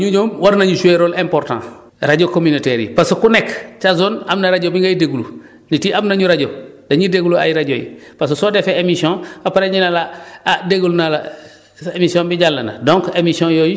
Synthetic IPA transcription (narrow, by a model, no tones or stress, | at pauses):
ɲuɲoːmwaɾnaɲusueɾoːlẽmpoɾtã̰ː | ɾaɟokominoteɾḭpasukunekt͡ʃazonamnaɾaɟobiŋɡajideɡulṵ | nitiʔamnaɲuɾaɟodaɲideɡulua̰jiɾaɟo̰jḭpas̬usodefeemisõapaɾeɲinaladeɡulnala | emisiõmbiɟalːɐna̰dõŋkemisiõjoji